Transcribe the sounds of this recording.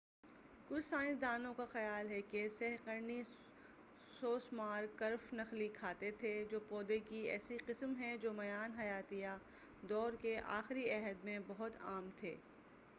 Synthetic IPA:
kʊt͡ʃʰsãːɪ̃nsd̪aːnõkaxɐjaːlɦɛkesɛɦqəɾni | soːsmaːɾkɐɾfnɐxlikʰaːt̪et̪ʰed͡ʒoːpɔːd̪ekiɛ̰ːsiqɪsmɦɛ̃d͡ʒoːmɐjaːnɦɐjaːt̪ija | d̪ɔːɾkeʔa̰ːxɾiɛɦəd̪mẽbɐɦʊt̪aːmt̪ʰḛː

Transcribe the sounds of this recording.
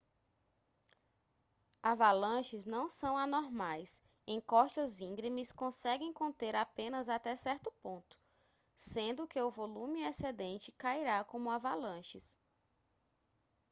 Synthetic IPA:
avalɐ̃ʃɪznɐ̃w̃sɐ̃w̃anoɾmajs | ẽj̃kɔʃtɐzĩŋɡɾimiskõsɛɡẽj̃kõnt̪eɾapẽnɐzat̪ɛsɛɾt̪ʊpõnt̪ʊ̥ | sẽnd̪ʊkeʊvolũmɪesɛd̪ẽnt͡ʃɪkaiɾakõmʊavalɐ̃ʃɪs

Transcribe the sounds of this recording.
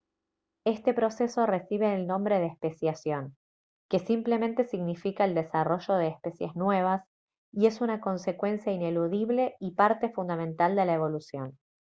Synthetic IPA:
e̞st̪e̞pɾo̞se̞so̞re̞siβ̞eːlnõ̞mbɾe̞ðeespe̞sjasjo̞ŋ | ke̞simple̞mẽnt̪esiɣnifikaeld̪e̞saro̞ʒo̞ð̞eːspe̞sjḛznwe̞β̞as | ie̞sunako̞nse̞kwe̞nsjaine̞luðiβle̞ipaɾt̪e̞fund̪amẽnt̪ald̪e̞laeβo̞lusjo̞̰n

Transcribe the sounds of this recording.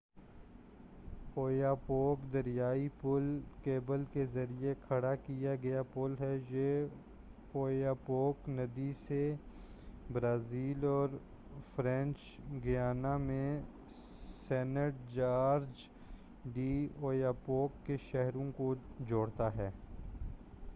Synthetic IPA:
oːjapoːkd̪ɐɾjaːipʊlkeːbəlkezɐɾiekʰɐɽakijaɡɐjapʊlɦɛje | oːjaːpoːknɐd̪ise | bɾaːziːlɔːɾ | fɾɛ̃nt͡ʃ | ɡɪjaːnamẽ | sɛːnəʈ̚d͡ʒaːɾd͡ʒ | ɖioːjaːpoːkːeʃɛɦɾõkod͡ʒoːɽt̪aɦɛː

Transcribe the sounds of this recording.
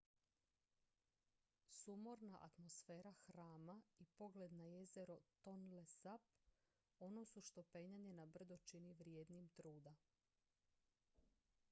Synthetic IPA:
sumoɾnaʔa̰t̪mosfe̞ːɾaxɾaːmaipo̞ɡled̪naje̞zeɾot̪o̞nlesap | o̞no̞suʃt̪o̞pe̞ɲaɲe̞nabr̩d̪ot͡ʃiniʋɾjeːd̪nimt̪ɾuːd̪a

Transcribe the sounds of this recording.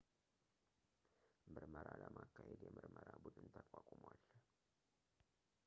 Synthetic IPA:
mɨɾməɾaləmakʰːahed̪jɛmɨɾməɾabud̪ɨnt̪ʰəkʼakʷʼmwal

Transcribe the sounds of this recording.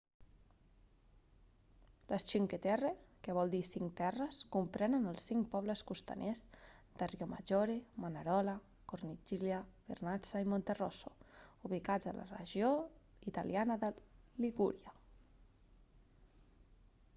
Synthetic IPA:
lʔəst͡ʃiŋket̪ɛrekəβɔlˠd̪isiŋt̪ɛrəskumpɾɛnənəlˠsiŋkpɔβləskust̪a̰nʔezd̪̥ərioma̰ʒoɾemanaɾɔla | koɾnid͡ʒiljaβḛɾnasaimont̪eroso̥uβikad͡zə̰la̰rə̰ʒioit̪a̰ljanəðəliɣuɾja

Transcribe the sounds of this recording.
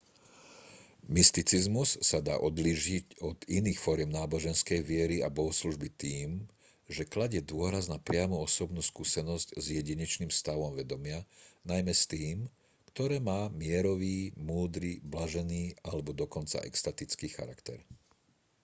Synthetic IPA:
mist̪it͡sizmusːad̪a̰ːʔɔd̪liːʒicɔd̪iniːxfɔɾɪɛmnaːbɔʒɛnskɛjʋɪɛɾiabɔɦɔsluʒbit̪iːm | ʒɛklaɟɛd̪ʊɔɾaznapɾɪamuɔsɔbnuːskuːsɛnɔsczjɛɟiɲɛt͡ʃniːmfst̪aʋɔmʋɛd̪ɔmɪanajmɛst̪iːm | kt̪ɔɾɛːmaːmɪɛɾɔʋiːmuːd̪ɾiblaʒɛniːalɛbɔd̪ɔkɔnt͡sa̰ʔɛ̰kst̪at̪it͡skiːxa̰ɾakt̪ɛɾ

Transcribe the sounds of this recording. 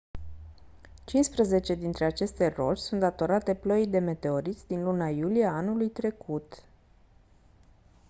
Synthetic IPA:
t͡ʃinspɾəze̞t͡ʃe̞d̪int̪ɾe̞at͡ʃe̞st̪e̞ro̞̰t͡ʃʲsunt̪d̪at̪o̞ɾat̪e̞pləjd̪e̞me̞t̪e̞o̞ɾit̪sʲd̪inlunajulijeanulujt̪ɾe̞kʰut̪

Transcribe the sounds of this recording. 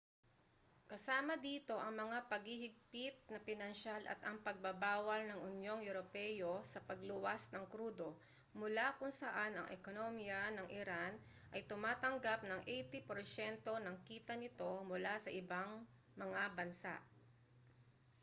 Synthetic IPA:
kɐsaːmɐd̪iːt̪o̞ʔɐŋmɐŋapɐɡhihɪɡ̚pɪt̪̚nɐpɪnɐnʃalɐ̰t̪ɐŋpɐɡ̚bɐbaːwɐlnɐŋʊnjo̞ŋjʊɾopɛjosɐpɐɡlʊwasnɐŋkɾuːd̪o̞ | mʊlakʊŋsɐʔanɐ̰ŋʔɛ̰konomjɐnɐŋʔɪɾan | ʔɐjt̪ʊmaːt̪ɐŋɡap̚nɐŋʔɛjt̪ɪpoɾsɛnt̪o̞nɐŋkiːt̪ɐnɪt̪o̞mʊlasɐʔɪbaŋ | mɐŋabɐnsa̰ʔ

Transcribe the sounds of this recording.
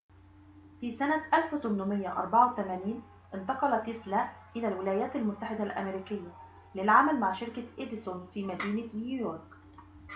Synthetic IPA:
fiːsanaʔalft̪ʊnːʊmɪjːaʔɑ̰ɾˤbɑʕawt̪amæːniːn | ʔɪnt̪ɑqɑlɑt̪ːɪslaʔɪlæːlwɪlæːjæːt̪almʊt̪ːaħɪd̪alʔa̰meɾiːkɪjːa | lɪlʕamalmaʕʃɪɾkaʔed̪ɪsʊnfiːmæd̪iːnanjujoːɾˤk

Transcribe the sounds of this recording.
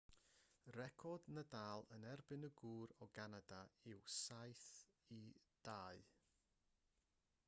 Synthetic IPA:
rɛkʰɔdnədaːlˠənɛrbɪnəɡuːɾɔɡanadaɪwsajθid̥aːɨ

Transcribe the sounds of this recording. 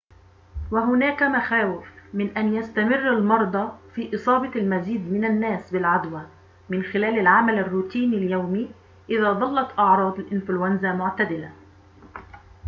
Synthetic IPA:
waɦʊnæːkamaxaːwɪfmɪnʔænjast̪amɪrːalmɑɾˤd̪ˤɑfiːʔɨsˤɑːbɑlmaziːd̪mɪnanːæːsbɪlʕad̪wa | mɪnxɪlæːlalʕamalarːuːt̪iːnaljawmiː | ʔɪðæːd̪ˤɑlːɑt̪ʔɑʕɾˤɑːd̪ˤalʔɪnflʊwanzamʊʕt̪ad̪ɪla

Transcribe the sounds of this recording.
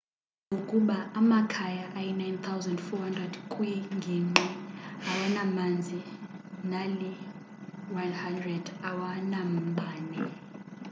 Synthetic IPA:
ŋɡʱokʼuɓaːmakʰajaʔːjɛnajnt̪ʰawzandfɔhandrɛdkʰʼwiŋɡʱiŋ͡ǃɛawanamand͡zʱinali | wanhandrɛdawanam̩ɓʱaːnɛ

